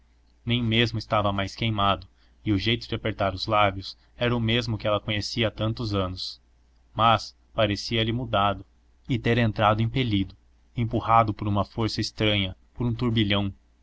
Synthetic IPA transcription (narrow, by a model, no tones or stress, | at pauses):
nẽj̃mezmʊɪst̪avɐmajskejmad̪ʊ | ɪʊʒejt̪ʊd͡ʒɪapeɾt̪aɾʊzlabjʊs | ɛɾɐʊmezmʊkɪɛlɐkõɲesiɐat̪ɐ̃nt̪ʊzɐ̃nʊs | mɐs | paɾesiɐlɪmud̪ad̪ʊ | ɪt̪eɾẽnt̪ɾad̪ʊẽpelid̪ʊ | ẽmpuhad̪ʊpoɾũmɐfoɾsɐest̪ɾɐ̃ɲɐpoɾũt̪uɾbiʎɐ̃w̃